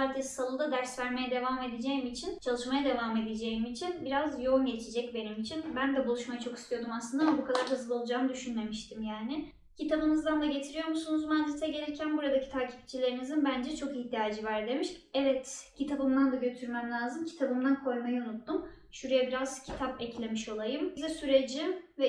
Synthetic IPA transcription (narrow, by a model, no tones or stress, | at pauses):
aɾt̪essalˠud̪ad̪æɾsvæɾme̞jɛd̪e̞vame̞d̪ed͡ʒejimit͡ʃʰint͡ʃʰalˠɯʃmajad̪e̞vame̞d̪ed͡ʒe̞jimit͡ʃʰinbiɾazjo̞umɟe̞t͡ʃʰed͡ʒɛc̚be̞nimit͡ʃʰinbænd̪ɛbulˠuʃmajat͡ʃʰo̞ki̥st̪ʰijo̞d̪umaslˠɯnd̪abukʰad̪aɾɦɯzɯlˠo̞lˠud͡ʒaːmɯd̪yʃynme̞miʃt̪ʰimjaːnɪ | cʰit̪ʰabɯnɯzd̪and̪aɟe̞t̪ʰiɾijo̞ɾmusunuzmanzɛt̪ɛɟe̞ɾɛcʰænbuɾad̪acʰi̥t̪ʰaːcʰi̥p̚t͡ʃʰilʲe̞ɾinizinbænd͡ʒɛt͡ʃʰo̞kihd̪ijaːd͡ʒɯvæɾd̪e̞miʃɛvɛt̪cʰit̪ʰabɯmd̪and̪aɟø̞t̪ʰyɾmæmlʲaːzɯmcʰi̥t̪ʰabɯmd̪ankʰo̞jmajiunut̪ːumʃuɾujabiɾaz̥cʰi̥t̪ʰapɛclʲe̞miʃo̞lˠajɯmzɛsyɾe̞d͡ʒivɛ